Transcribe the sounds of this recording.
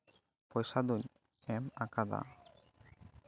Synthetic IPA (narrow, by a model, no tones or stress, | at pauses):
pɔjsad̪uɲ | ɛmakad̪a̰